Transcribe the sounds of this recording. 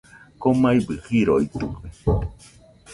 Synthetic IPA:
komaibɨhiɾoit̪uke

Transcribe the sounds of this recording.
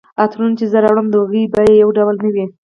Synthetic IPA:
at̪ɾunt͡ʃezəɾawɽəmd̪əɣibajejawɖawlnəwi

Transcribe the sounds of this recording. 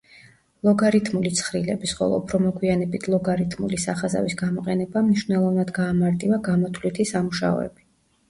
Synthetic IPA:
lˠɔɡaɾit̪ʰmulit̪sʰχɾilɛbisχɔ̰lˠɔ̰upʰɾɔmɔɡwianɛbit̪ʰlˠɔɡaɾit̪ʰmṵlisaχaza̰visɡamɔqʼɛnɛbamniʃwnɛlˠɔvnad̪ɡaːmaɾt̪ʼivaɡamɔt̪ʰvlit̪ʰisamuʃa̰ɔ̰ɛ̰bi

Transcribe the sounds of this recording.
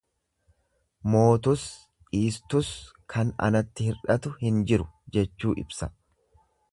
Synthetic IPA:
mo̞ːt̪ʊs | iːst̪ʊs | kʰɐnɐ̰nɐt̪ːɪhɪɾᶑɐt̪ʊhɪnd͡ʒɪɾʊd͡ʒɛt͡ʃːuːʔɪ̰bsɐ

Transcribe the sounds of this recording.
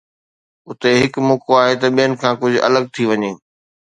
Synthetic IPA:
ʊt̪eɦɪkmoːkoaːɦet̪ɐɓijənɪ̆kʰãːkʊd͡ʑʱʊʔɐ̰ləɡ̚t̪ʰiʋɐɲeː

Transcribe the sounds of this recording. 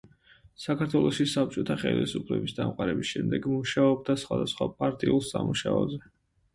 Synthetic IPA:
sakʰaɾt̪ʰwɛlˠɔʃisap̚t͡ʃʼɔt̪ʰaχɛlisupʰlɛbisd̪amqʼaɾɛbisʃɛmd̪ɛɡmuʃaɔb̚d̪asχwad̪asχwapʼaɾt̪ʼiulˠsamuʃaɔzɛ

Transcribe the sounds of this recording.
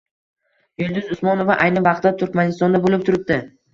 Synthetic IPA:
jʊlˠd̪ɪzʊsmɒnovaʔajnɪvɑqt̪at̪ʰʊɾkʲmanɪst̪ɒnd̪abolɪp̚t̪ʰʊɾɪp̚d̪ɪ

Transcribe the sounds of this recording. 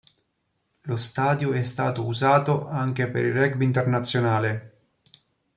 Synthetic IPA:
lost̪aːd̪joɛst̪aːt̪ouzaːt̪oʔaŋk̟epḛɾirɛk̚bint̪ernat̪sːjonaːle

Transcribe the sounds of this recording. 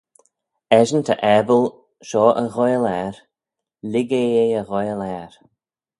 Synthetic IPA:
ɛʒənt̪ʰəʔɛbəl | ʃɔːʔəɣɔjəlɛɹ | lɪɡeeəɣɔjəlɛːɹ

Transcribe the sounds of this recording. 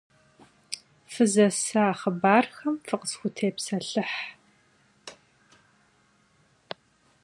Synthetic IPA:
fɨzɐsaːχəbaːrxɐmfɨqə̥sxʷʊtʰeːpsɐɬɨħ

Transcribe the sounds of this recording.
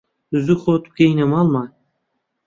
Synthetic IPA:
zuχot̪p̚kʲejnemɑlˠmɑ

